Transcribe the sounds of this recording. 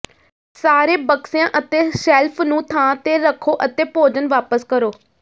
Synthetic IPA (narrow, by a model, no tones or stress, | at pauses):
saːɾeːbəksejãːʔət̪eːsɛːlpʰnũːt̪ʰãːt̪eːɾəkʰːoːʔət̪eːpoːd͡ʒənʋaːpəskəɾoː